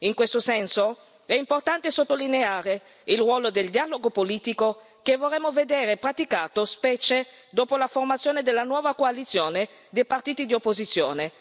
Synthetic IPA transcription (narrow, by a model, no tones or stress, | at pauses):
iŋkwest̪osɛnso | ɛimport̪ant̪esot̪ːolineaːɾe | ilrwɔːlod̪eld̪ialoɡopoliːt̪iko | kevorːɛmːoved̪eːɾepɾat̪ikaːt̪ospɛt͡ʃe | d̪oːpolaformat̪sjoːned̪elːanwɔːvakoalit̪sːjoːne | d̪ejpart̪iːt̪id̪iopːozit̪sːjoːne